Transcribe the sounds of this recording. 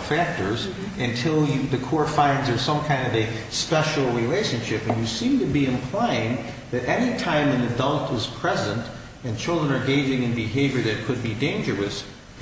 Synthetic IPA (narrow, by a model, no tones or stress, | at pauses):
fæk̚tə˞z | ɨ̃ntʰɪlˠjɨðɨkʰɔɹfãɪ̃nzə˞sʌ̃mkʰãɪ̃ndʌvɨ | spɛʃl̩ˠɹileɪʃɨ̃nʃɪpɨ̃njɨsĩmtɨbiɨ̃mpʰl̥ãɪɪ̃n | ðɨɾɛnitʰãɪ̃mɨ̃nɨdʌlˠtɨz̥pʰɹ̥ɛzə̃nt | ɨ̃nt͡ʃʰɪlˠdɹə̃nə˞ɡeɪd͡ʒɪ̃ŋɨ̃nbɨɦeɪvjə˞ðɨt̚kʰɨd̚bidẽɪ̃nd͡ʒə˞ɨs